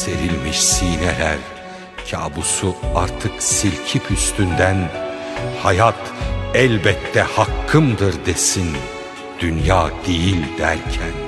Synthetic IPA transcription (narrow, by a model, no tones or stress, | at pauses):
se̞ɾilʲmiʃsiːnɛlæɾ | cʰa̰ːbusuaɾt̪ʰɯksilʲcʰipʰyst̪ʰynd̪æn | hajat̪ɛlʲbɛt̪ʰːɛhakʰːɯmd̪ɯɾd̪esin | d̪̥ynjaːd̪̥ejilʲd̪æɾcʰæn